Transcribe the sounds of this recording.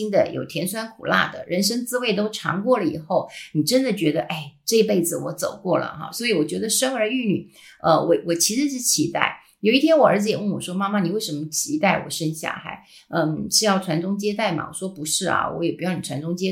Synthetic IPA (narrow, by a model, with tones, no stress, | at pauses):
i˥ŋd̪ə˨jʔo̰˨˩ʊt̪ʰjɛ˧˥nswa˥nkʰṵ˨˩la̰˥˩d̪ə̰˩ɻə˧˥nʂ̬ə˥ŋt͡sɹ̩˥we˥˩ɪt̪o˥ʊʈ͡ʂʰɑ̰˧˥ŋkwɔ˥˩lə˩ḭ˨˩xo˥˩ʊni˨˩ʈ͡ʂə˥nd̪ə˨t͡ɕɥɛ˧˥d̪ə˧ʔe˥˩ɪʈ͡ʂɤ˥˧i˥pe˥˩ɪd͡zɹ̩˨˩wɔ˧˥t͡so˨˩ʊkwɔ˥˩lə̰˩xɑ̰˧swɔ˧˥i˧˥wɔ˨˩t͡ɕɥɛ˧˥d̪ə˧ʂə˥ŋə˞˧˥y˥˩ny̰˨˩ | ə˧wɔ˨˧˩wɔ˨˩t͡ɕʰi˧˥ʂɻ̩˧˥ʂɻ̩˥˩t͡ɕʰi˧˥t̪a̰˥˩ɪ | jo˨˩ʊi˥˩jɛ˥nwɔ˨˩ə˞˧˥t͡sd͡zɹ̩˧jɛ˨˩wə˥˩ŋwɔ˨˩ʂwɔ˥ma˥ma˨ni˨˩we˥˩ɪʂə˧˥nmə˧˩t͡ɕʰi˧˥t̪a˥˩ɪwɔ̰˨˩ʂə˥nɕja̰˥˧xa̰˧˥˩ɪ | ə˥˩nʂɻ̩˥˧jɑ˥˩ʊʈ͡ʂʰwa˧˥nʈ͡ʂʊ˥ŋt͡ɕjɛ˥t̪̬a˥˩ɪma̰˨˩wɔ̰˨˩ʂwɔ˥pu˧˥ʂɻ̩˥˩ɐ̰˩wɔ̰˧˥jɛ˨˩pu˧˥jɑ˥˩ʊni˨˩ʈ͡ʂʰwa˧˥nʈ͡ʂʊ˥ŋt͡ɕjɛ˥